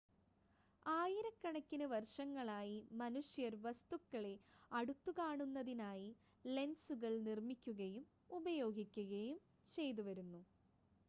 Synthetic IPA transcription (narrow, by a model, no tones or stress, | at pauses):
aːjiɾɐkːɐɳɐkʲːinɨʋɐrʂɐŋːɐɭaːjimɐnuʂjɐɾʋɐst̪ukːɐɭe̞ɐɽut̪ːukaːɳunːɐðinaːji | le̞nsuɣɐɭnirmikʲːuɣɐjum | ubɐjo̞ːɡʱikʲːuɣɐjum | t͡ɕe̞jt̪uʋɐɾunːu